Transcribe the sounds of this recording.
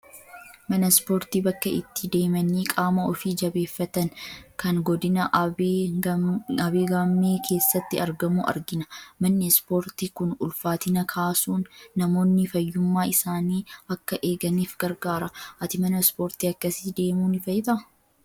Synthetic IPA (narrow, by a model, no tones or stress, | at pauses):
mɐnɐspo̞ːɾt̪iːbɐkːɐɪ̰t̪ːɪd̪e̞ːmɐniːkʼaːmɐɔfiːd͡ʒɐbe̞ːfːɐt̪ɐnkɐnɡɔd̪ɪnɐʔ | ɐbeːɡaːmːeːkʰe̞ːsːɐt̪ːɪɐɾɡɐmuːʔɐ̰ɾɡɪnɐmɐnːɛspoːɾt̪iːkʊnʊlfaːt̪ɪnɐkʰaːsuːnːɐmo̞ːnːɪfɐjːʊmːaːɪsaːniːɐkːɐʔe̞ːɡɐniːfɡ̥ɐɾɡaːɾɐʔɐt̪ɪmɐnɐspo̞ːɾt̪iːɐkːɐsid̪e̞ːmuːnɪfɐjɪt̪ʼɐ